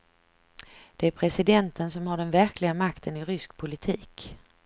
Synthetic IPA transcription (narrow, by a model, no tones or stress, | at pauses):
d̪̥ɛæɾpʰɾɛsɪd̪ɛnt̪ʰənsɔmhaɖɛnvæɾklɪɡamakt̪ʰənɪɾʏsk̚pʰʊlɪt̪ʰiːk